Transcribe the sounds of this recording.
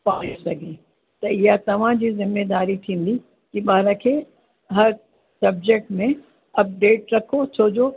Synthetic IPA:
paːesɐɡʱe | t̪ɐɪjat̪ɐʋ̤ãd͡ʑiːzɪmːeːd̪aːɾit̪ʰĩːn̆d̪i | kiɓaːɾãkʰe | ɦɐɾ | sɐb̚d͡ʑek̚ʈmẽ | ɐp̚ɖeːʈɾɐkʰot͡ʃʰoːd͡ʑoː

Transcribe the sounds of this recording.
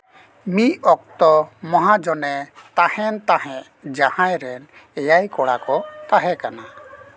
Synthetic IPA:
miɔk̚t̪ɔmɔɦad͡ʒɔnɛt̪ahɛnt̪aɦɛ̃ʔ | d͡ʒahãjɾɛn | ɛjajkɔɽakɔt̪aɦɛkana

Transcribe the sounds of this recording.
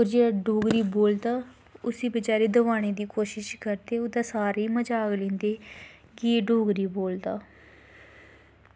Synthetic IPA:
oːɾd͡ʒeːaɖoːɡɾiːboːld̪aː | ʊsiːbəd͡ʒaːɾeːd̪əʋaːɽ̃eːd̪iːkoːʃɪʃkəɾd̪eːʊd̪aːsaːɾeːməd͡ʒaːɡlẽːnd̪eː | ɡiːɖoːɡɾiːboːld̪aː

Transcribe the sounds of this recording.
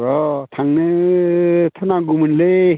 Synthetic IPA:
ɾɔt̪ʰaŋnɯ | t̪ʰɯnaɡumɯnle

